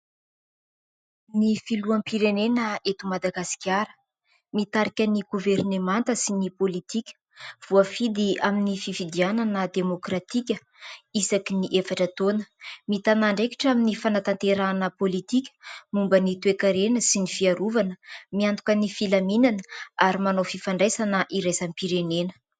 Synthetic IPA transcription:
nifiluampiɾenenəet̪umad̪aɡasi̥kʲjaɾə̥ | mit̪aɾikʲəniɡuveɾnemant̪əsinipolit̪ikʲə̥ | v̥uafid̪iaminififid̪iananəd̪emokrat̪ikʲə | isakiniʔefaʈ͡ʂət̪onə̥mit̪anaɳɖ͡ʐeki̥ʈ͡ʂaminifanat̪ant̪eɾanəpolit̪ikʲə̥mumbənit̪uekaɾenəsinifiaɾuvanəmiant̪ukənifilaminanəaɾimanofifaɳɖ͡ʐesanəʔiɾesampiɾenenə̥

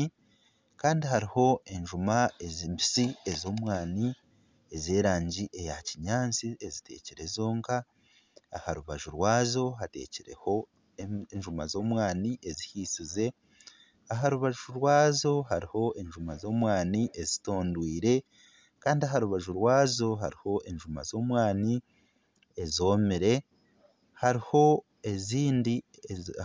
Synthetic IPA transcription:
kaːndiɦaɾiho̞ʔe̞ɲʒumaezimbisiezo̞ːmwaːni | ezeːɾaːɲɟiʔe̞jaciɲaːnt͡siezite̞̰ːceɾe̞zoːŋkaː | haɾuβaʒuɾwaːzo̞ɦate̞̰ceɾḛho̞ | ɲʒuma̰zo̞ːmwaːniʔezihiːsize̞ | aɦaɾuβaʒuɾwaːzo̞ɦaɾiho̞ʔe̞ɲʒumazo̞ːmwaːniʔe̞zitoːndwiːɾe̞ | kaːndiaɦaɾuβaʒuɾwaːzo̞ɦa̰ɾiho̞ʔe̞ɲʒuma̰zo̞ːmwaːni | ezo̞ːmiɾe̞ | haɾiho̞ | e̞ziːndi

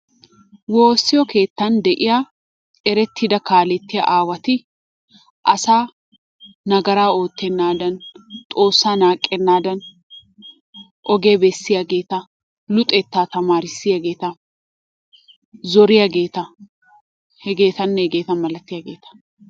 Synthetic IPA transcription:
woːsːɪjɔke̞ːt̪ːɐnd̪ɛʔɪjaː | ɛɾɛt̪ʰːɪd̪ɐkaːlɛt̪ːɪjɐ̰ʔaːwɐt̪ɪ | ʔɐsaː | nɐɡɐɾaːo̞ːt̪ːɛnːaːd̪ɐnt̪ʼo̞ːsːaːnaːkʼːɛnːaːd̪ɐn | ʔɔɡe̞ːbɛsːɪjaɡe̞ːt̪ɐ | lʊt̪ʼɛt̪ːaːt̪ɐmaːɾɪsːɪjɐɡe̞ːt̪ɐ | zɔɾɪjaɡe̞ːt̪ɐ | hɛɡe̞ːt̪ɐnːɛɛɡeːt̪ɐnmɐlɐt̪ːɪjaɡe̞ːt̪ɐ̥

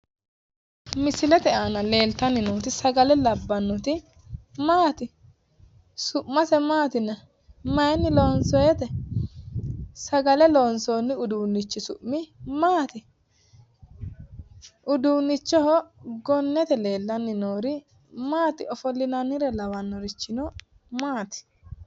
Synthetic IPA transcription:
mɪsɪlɛt̪ɛʔanɐle̞ːlt̪ɐnːɪnuːt̪ɪsɐɡɐlɛlɐbːɐnːʊt̪ɪ | maːt̪ɪ | sʊʔmːɐsɛmaːt̪ɪnɐ | mɐjɛnːɪloːnsɔjɛt̪ɛ | sɐɡɐlɛloːnsoːnːɪʊd̪uːnːɪt͡ʃːɪsʊ̰ʔmɪmaːt̪ɪ | ʔʊd̪uːnːɪt͡ʃːɔɦɔɡɔnːɛt̪ɛle̞ːlːɐnːɪnoːɾɪ | maːt̪ɪɔfɔlːɪnɐnːɪɾɛlɐwɐnːɔɾɪt͡ʃːɪnɔ | maːt̪ɪ̥

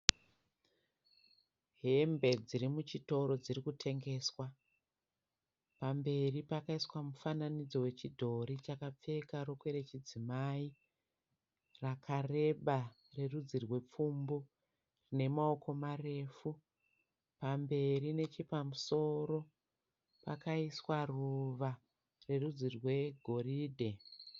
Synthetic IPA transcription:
ɦe̞mbe̞d͡ziɾimut͡ʃito̞ɾo̞d͡zirikutʰe̞ŋɡe̞ːswa | pambe̞ripakaiswamufananid͡zo̞we̞t͡ʃidʱo̞ɾit͡ʃakap͡fe̞kaɾo̞kwe̞ɾet͡ʃid͡zimai | rakʰare̞ɓa | re̞rud͡zirwe̞p͡fumbu | rine̞mao̞ko̞mare̞ːfu | pambe̞ɾine̞t͡ʃepamuso̞ɾo̞ | pa̰kaiswaruʋa | re̞rud͡zirwe̞ɡʱo̞riːdʱe̞

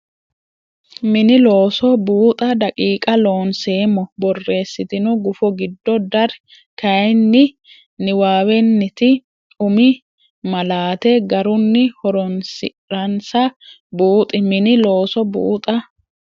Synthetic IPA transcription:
mɪnɪlo̞ːsɔbuːt̪ʼɐd̪ɐkʼiːkʼɐlo̞ːnse̞ːmːɔbɔrːe̞ːsːɪt̪ɪnɔɡʊfɔɡɪd̪ːɔd̪ɐɾ | kɐjnːɪ | nɪwaːwɛnːɪt̪ɪ | ʊmɪ | mɐlaːt̪ɛɡɐɾʊnːɪhɔɾɔnsɪ̰ | ɾɐnsɐ | buːt̪ʼɪmɪnɪlo̞ːsɔbṵːt̪ʼɐ

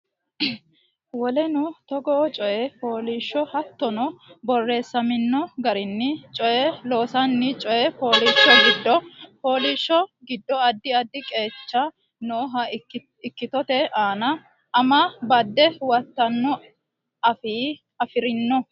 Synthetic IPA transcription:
wɔlɛnʊt̪ɔɡɔt͡ʃʼɔjɛpoːliːʃːɔhɐt̪ːɔnɔbɔrːe̞ːsːɐmɪnːɔɡɐɾɪnːɪt͡ʃʼɔjɛlo̞ːsɐnːɪt͡ʃʼɔʔɛpo̞ːliːʃːɔɡɪd̪ːɔpo̞ːliːʃːɔɡɪd̪ːɔɐd̪ːɪɐd̪ːɪkʼe̞ːt͡ʃːɐ | noːɦɐ | ɪkːɪt̪ɔt̪ɛʔaːnɐ | ɐmabɐd̪ːɛwɐt̪ːɐnːɔ | ɐfiː | ɐfɪɾɪnːɔ

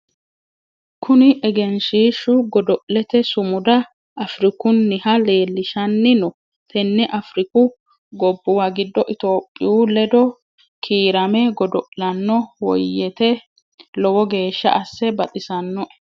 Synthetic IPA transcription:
kʰʊnɪʔɛɡɛnʃiːʃʊɡɔd̪ɔʔlɛt̪ɛsʊmʊd̪ɐ | ʔɐfɾɪkʊnːɪhɐle̞ːlːɪʃɐnːɪnɔ | t̪ʰɛnːɛʔɐfɾɪkʊ | ɡɔbːʊwɐɡɪd̪ːɔʔɪt̪o̞ːpʼːɪ̰juːlɛd̪ɔ | kʰiːɾɐmɛɡɔd̪ɔʔlɐnːɔwɔ̰jːɛt̪ɛ | lɔwɔɡe̞ːʃːɐ̰ʔɐsːɛbɐt̪ʼɪsɐnːɔʔɛ̥

